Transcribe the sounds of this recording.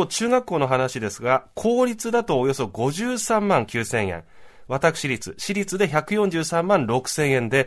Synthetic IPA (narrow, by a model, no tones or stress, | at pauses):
ot͡ɕɨːɡakːo̞ːno̞ɦanaɕid̪e̞sɨɡakʰo̞ːɾʲit͡sɨd̪at̪o̞ːjo̞so̞ɡo̞ʑɨːsãmːãŋkʲɨːsẽ̞ɰ̃ḛ̃ | βat̪akɯ̟̥ɕiɾʲit͡sɨɕiɾʲit͡sɨd̪e̞çakɯ̟jõ̞ɲ̟d͡ʑɨːsãmːãnɾo̞kɯ̟̥sẽ̞ɰ̃ẽ̞nd̪e̞